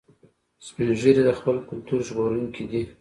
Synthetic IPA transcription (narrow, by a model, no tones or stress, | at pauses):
speʒəɾid̪əxpəlkʊlt̪uɾʒɣoɾuŋkʰid̪i